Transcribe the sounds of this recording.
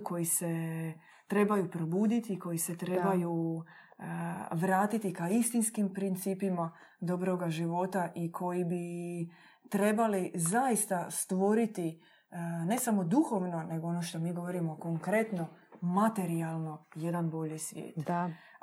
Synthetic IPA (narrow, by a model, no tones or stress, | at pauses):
kʰo̞jise̞ | t̪ɾe̞bajupɾobuːd̪it̪iko̞jise̞t̪ɾebaju | ʋɾaːt̪it̪ikaist̪inskimpɾint̪siːpima | d̪o̞bɾo̞ɡaʒiʋo̞t̪aʔikʰo̞jibi | t̪ɾe̞balizajist̪ast̪ʋo̞ɾit̪i | ne̞samo̞d̪uxo̞ʋno̞ne̞ɡoo̞noʃt̪o̞miːɡo̞ʋo̞ɾimo̞ko̞ŋkɾe̞t̪no̞mat̪e̞ɾialˠno̞je̞d̪anbo̞ʎisʋjḛːt̪